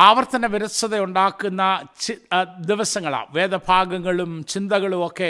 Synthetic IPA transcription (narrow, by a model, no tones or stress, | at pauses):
aːʋɐrt̪ɐnɐʋiɾɐsɐðɐuɳɖaːkːunːɐt͡ɕid̪iʋɐsɐŋːɐɭa̰ːʋeːd̪ɐbʱaːɡɐŋːɐɭumt͡ɕind̪ɐɣɐɭumokːe̞